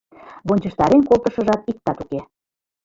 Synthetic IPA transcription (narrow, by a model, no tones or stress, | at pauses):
βonʲt͡ɕə̆ʃt̪ɑɾenkolˠt̪əʃə̆ʒɑt̪̚ik̚t̪ɑt̪uke